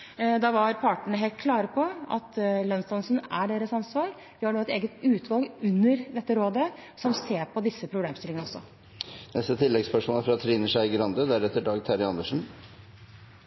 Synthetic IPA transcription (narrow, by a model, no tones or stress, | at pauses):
d̪ɑʋɑɾpʰɑʈəɳəɦɛlt̪kʰlɑːɾəpʰɔɑ̰t̪lœnst̪ɑnsn̩æɖeːɾəsɑnsʋɑːɾ | ʋɪhɑɳoːɛt̪eːɡət̪ʉːt̪ʰʋɑlˠɡʉnːəɾd̪ɛt̪ːəɾoːd̪əsɔmseːɾpʰɔd̪ɪsːəpʰɾʊbleːmst̪ɪlɪŋənəɔsːɔ̰ | nɛst̪ət̪ʰɪlːɛɡspœʂmɔːləfɔɾɑt̪ʰɾiːnəʂæɪɡəɾɑnd̪əd̪æɾɛt̪ːəɖɑːɡ̚t̪ʰæɾɪɑnd̪əʂn̩